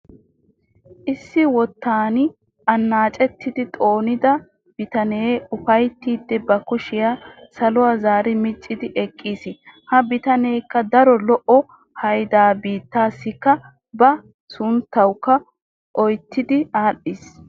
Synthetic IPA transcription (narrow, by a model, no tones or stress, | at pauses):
ʔɪsːɪwɔt̪ːaːnɪ | ʔɐnːaːt͡ʃʼɛt̪ːɪd̪ɪt̪ʼo̞ːnɪd̪ɐ | b̥ɪt̪ɐne̞ːʊfɐjt̪ːiːd̪ːɛbɐkʊʃɪjasɐlʊwazaːɾɪmɪt͡ʃʼːɪd̪ɪʔɛkʼːiːsɪhɐbɪt̪ɐneːkːɐd̪ɐɾɔlɔʔɔ | hɐjd̪aːbiːt̪ːaːsːɪkːɐ | bɐ | sʊnt̪ːɐwkːɐ | ʔɔjt̪ːɪd̪ɪaːɗːɪs